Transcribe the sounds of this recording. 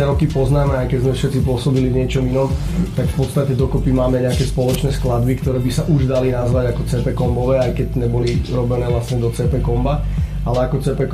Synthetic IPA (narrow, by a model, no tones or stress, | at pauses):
ɛɾɔkipɔznaːmɛajkɛzmɛfʃɛt̪t͡sipʊɔsɔbilivɲɪɛt͡ʃɔminɔm | t̪akfpɔt̪st̪acɛd̪ɔkɔpimaːmɛɲɛakɛːspɔlɔt͡ʃnɛːsklad̪bikt̪ɔɾɛːbisaʔuʒd̪alinazʋaɟakɔt͡sɛpɛkɔmbɔʋɛːajkɛɟɲɛbɔliɾɔbɛnɛːʋlasɲɛd̪ɔt͡sɛpɛkɔmba | alɛakɔt͡sɛːpɛk